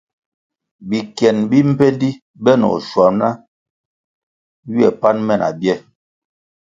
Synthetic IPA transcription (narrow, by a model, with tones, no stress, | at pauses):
bi˨kjɛ˨nbi˦m̩˦pɛ˦di˦ | bɛ˦nɔ̰˨ʃwa˨na˦ | wi˦ɛ˨pa˦nmɛ˦˨na̰˨bjɛ˦˨